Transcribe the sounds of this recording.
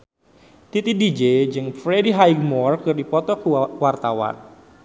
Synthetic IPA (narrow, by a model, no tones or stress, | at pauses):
t̪it̪idid͡ʒed͡ʒɨŋfɾediɦaiɡmɔrkɨrdipɔt̪ɔkuwart̪awa̰n